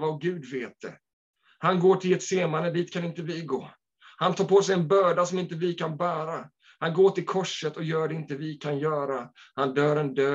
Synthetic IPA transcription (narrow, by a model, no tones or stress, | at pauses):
vaɡʉ̟ːd̪veːt̪̚d̪̥ɛ̰ | hanɡoːʈʰɪlɛt̪seːmaɾəd̪iːt̪kʰanɪnt̪əvɪɡoː | hant̪ʰɑːɾpoːsɛjɛnbœːɖasɔmɪnt̪əvɪkʰanbæːɾa | hanɡoːt̪ɪlkʰɔʂːət̪ɔjœːɖɛɪnt̪əvɪkʰanjœːɾahand̪œːɾɛnd̪øː